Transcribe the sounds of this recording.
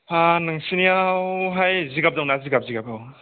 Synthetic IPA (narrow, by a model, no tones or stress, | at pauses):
pʰanɯŋsiniawɦajziɡap̚dɔwŋnaziɡap̚ziɡapʰaw